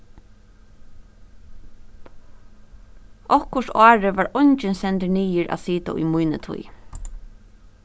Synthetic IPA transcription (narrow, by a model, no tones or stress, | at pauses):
ʔɔhkʊʂɑːɹɪʋaːɹɔnt͡ʃɪnsɛnt̪əniːjɪɹʔa̰ðsiːt̪a̰ʊ̰jmujnə̰t̪ʰṵj